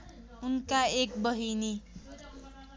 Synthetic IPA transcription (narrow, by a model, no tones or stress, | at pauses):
unkaek̚bʌɦini